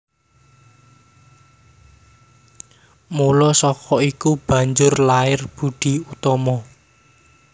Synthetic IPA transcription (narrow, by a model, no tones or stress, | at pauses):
mulɔsɔkɔikub̥ä̤ɲd͡ʒʊrlaɪrb̥ṳɖ̪̥i̤ut̪ɔmɔ